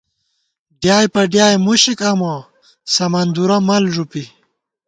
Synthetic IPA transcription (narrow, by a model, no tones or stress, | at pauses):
ɖjaːjpɐɖjaːjmuɕikɐmo | sɐmɐnd̪uɾɐmɐlʐupi